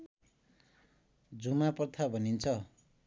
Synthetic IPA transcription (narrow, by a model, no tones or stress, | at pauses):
d͡zumaprt̪ʰabʱʌnint͡sʰʌ